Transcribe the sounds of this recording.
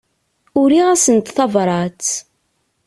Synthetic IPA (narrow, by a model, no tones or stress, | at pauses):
ʊɾiʁæsənt̪θɑvɾˤɑt͡s